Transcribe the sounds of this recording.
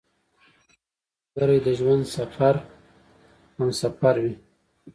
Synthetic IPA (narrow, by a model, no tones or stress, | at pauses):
əɾajd̪əʒwand̪safaɾ | amsafaɾwi